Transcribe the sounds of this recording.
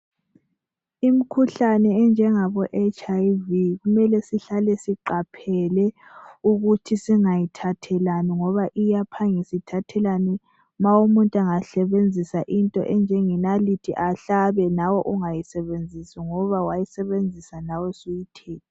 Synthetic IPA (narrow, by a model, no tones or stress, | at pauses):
im̩kʰuɬanɛːnd͡ʒʱɛŋaβɔʔɛt͡ʃʰʼajviɣumɛlɛsiɬalɛsiǃapʰɛlɛuɣutʰisiŋajitʰatʰɛlaniŋɔβaʔijapʰaŋisitʰatʰɛlani | mawumuntʼaŋaɬɛβend͡zʱisaʔintʼɔ̰ʔɛnd͡ʒʱɛŋinalitʰiʔaɬaβɛnawɔʔuŋajisɛβend͡zʱisiŋɔβawajisɛβend͡zʱisanawɛsujitʰɛːtʰi